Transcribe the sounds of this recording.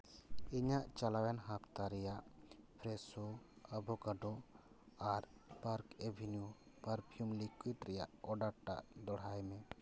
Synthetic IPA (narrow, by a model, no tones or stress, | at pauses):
iɲaʔt͡ʃalawɛnɦapʰt̪aɾɛjaʔpʰɾɛsoəbʱɔkaɖɔ | aɾpaɾkebʱinju | pəɾpʰijumlikwit̪ɾɛjaʔɔɖaɾʈa̰ʔd̪ɔɽ̤ajmɛ